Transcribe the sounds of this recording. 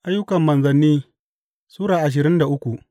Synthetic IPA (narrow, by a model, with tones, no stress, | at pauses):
ʔa˦jːʊ˦kɐ˨mːɐ˨nzɐ˨nːiː˦ | suː˦ɽaː˨ʔa˨ʃ̬ɪ˨ɾɪ˦nda˨ʔʊ˦kʷu˨ʔ